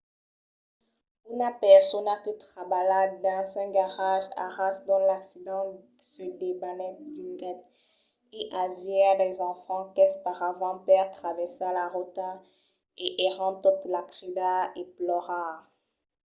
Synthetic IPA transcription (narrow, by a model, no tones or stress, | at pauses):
unapɛʁsɔnakət̪χabaladd̪ɛ̃sɛ̃ɡaʁaʒa̰ʁasd̪ɔ̃laksid̪ɑ̃ | sədebanɛd̪iŋɡɛt̪ | eʔavjɛʁdɛzɑ̃fɑ̃kɛspaʁavɑ̃pɛʁt̪χavɛʁsalaʁot̪a | eʔeʁɑ̃t̪ɔt̪lakʁid̪aeplɔʁa